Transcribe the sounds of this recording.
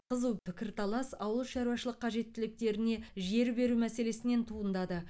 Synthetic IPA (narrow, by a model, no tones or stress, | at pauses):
qəzuwpʰɪkʲɪɾt̪ʰɑlˠɑsɑwəlˠʃɑɾuwɑʃəlˠəqʰːɑʒe̞t̪ːɪlɪk̚t̪e̞ɾɪne̞ʒe̞ɾbe̞ɾumæse̞le̞sɪne̞nt̪ʰuənd̪ɑd̪ə